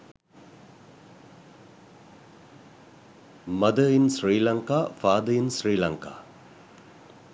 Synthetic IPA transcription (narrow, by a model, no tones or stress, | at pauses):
mɐd̪əinsɾiːlɐŋkaːfaːd̪əinsɾiːlɐŋka̰ː